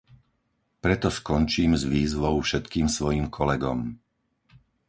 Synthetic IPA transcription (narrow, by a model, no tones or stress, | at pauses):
pɾɛt̪ɔskɔnt͡ʃiːmzʋiːzʋɔʊfʃɛt̪kiːmsʋɔjiːmkʰɔlɛɡɔm